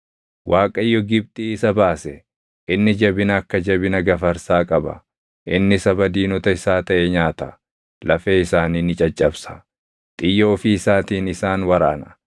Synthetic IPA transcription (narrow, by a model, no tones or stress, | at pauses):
wʔaːkʼɐjːɔɡɪb̚t̪ʼiːɪsɐbaːsɛ | ʔɪnːɪd͡ʒɐbɪnɐːkːɐd͡ʒɐbɪnɐɡɐfɐɾsaːkʼɐbɐ̰ | ʔɪnːɪsɐbɐd̪iːnɔt̪ɐɪsaːt̪ɐʔɛɲaːt̪ɐ | lɐfeːɪsaːninɪt͡ʃʼɐt͡ʃʼːɐbsɐ̥ | t̪ʼɪjːo̞ːfɪɪsaːt̪iːnɪsaːnwɐɾa̰ːnɐ̥